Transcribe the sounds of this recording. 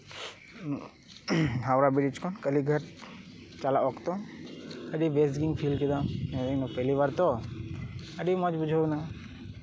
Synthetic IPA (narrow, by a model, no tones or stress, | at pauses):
ɦawɾabiɽit͡ʃkʰɔnkəliɡʱəɾ | t͡ʃalaɔkt̪ɔ | əɖibesʈɡiŋpʰilkid̪amnɛnɔpəliβaɾt̪ɔ | əɖimɔd͡ʒbud͡ʒʱana